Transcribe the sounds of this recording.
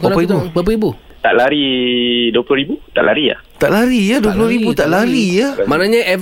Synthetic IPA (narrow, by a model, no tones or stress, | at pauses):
bapəibubap̬əibu | t̪aʔlaɾiduəpuloɾibut̪a̰ʔla̰ɾia̰t̪aʔlaɾiaduəp̬uloɾibut̪aʔlaɾiamanaɲaɛ